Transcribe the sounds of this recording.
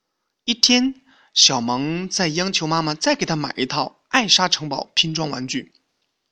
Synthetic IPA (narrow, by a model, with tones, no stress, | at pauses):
i˥˩t̪ʰjɛ˥n | ɕjɑ˨˩ʊmɑ˧˥ŋt͡sa˥˩ɪjɑ˥ŋt͡ɕʰjo˧˥ʊma˥ma˨t͡sa˥˩ɪke˨˩t̪ʰa˥ma̰˨˩ɪʔi˧˥t̪ʰɑ˥˩ʊ | a˥˩ɪʂa˥ʈ͡ʂʰɤ˧˥ŋpɑ˨˩ʊpʰi˧˥ŋʈ͡ʂwɑ˥ŋwa˧˥nt͡ɕy˥˩n